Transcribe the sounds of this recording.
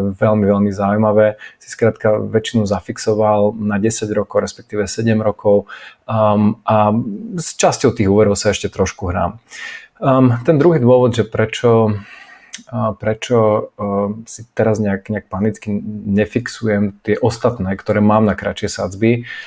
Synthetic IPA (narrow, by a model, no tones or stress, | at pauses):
ɛʋɛlmiʋɛlmizaujmaʋɛːsi̥skɾaːt̪kaʋɛt͡ʃinuzafiksɔʋalnaɟɛsaɟɾɔkɔʊɾɛspɛ̥k̚t̪iːʋɛsɛɟɛmɾɔkɔʊ | ʔast͡ʃascɔʊt̪iːɣuːʋɛɾɔʊsaɛʃcɛt̪ɾɔʃkuɦɾa̰ːm | t̪ɛnd̪ɾuɦiːd̪ʊɔʋɔd̪ʒɛpɾɛt͡ʃɔ | pɾɛt͡ʃɔ | sit̪ɛɾazɲɛakɲɛak̚panit͡skiɲɛfiksujɛmt̪ɪɛʔɔst̪at̪nɛːkt̪ɔɾɛːmaːmnakɾa̰t͡ʃɪɛsa̰d͡zbi